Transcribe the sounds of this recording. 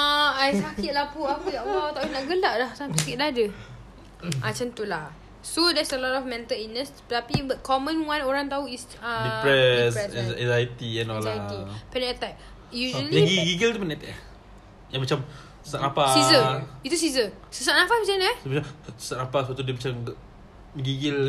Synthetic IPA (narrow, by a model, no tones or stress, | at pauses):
aajsakit̪̚lahpuapəɡaʔbawt̪aʔinaʔɡəlaʔlahsasakit̪̚daadə | ʔat͡ʃənt̪ulah | sodɛsəlɔtɔfmɛ̃nt̪əlinəspət̪apibət̪̚kʰɔmə̃nwãnoɾaŋt̪auis | ədipɹɛsɛsɛ̃zajt̪iɛnɔajt̪ipɛnɛt̪ɛk̚ | jud͡ʒliaɡiɡiɡilt̪upənɛt̪ɛʔ | jamat͡ʃam | səsaʔnapaizəit̪us̬izə | səsaʔnãpamət͡ʃanəʔmat͡ʃasə̥saʔnapasəpat̪udimat͡ʃam | ɡiɡil